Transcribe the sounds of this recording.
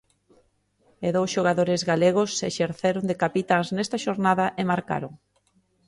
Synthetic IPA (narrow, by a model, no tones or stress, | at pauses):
eðowsʃoɣaðoɾɪzɣaleɣ̞ʊsːḛʃeɾθeɾoŋd̪ekapit̪aŋznɛst̪aʃoɾnaðɐʔemaɾka̰ɾoŋ